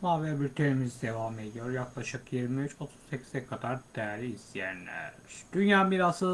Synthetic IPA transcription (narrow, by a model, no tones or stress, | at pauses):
maːvɛbiɾt̪ʰemizd̪e̞vame̞d̪ijo̞ɾjaklˠaʃɯkjiɾmiyt͡ʃʰo̞t̪ʰu̥z̥ːecʰi̥zɛkʰad̪aɾd̪ɛɾiist̪ʰijæ̰nlʲæ̰ɾ̥d̪̥ynjaːmiɾasɯ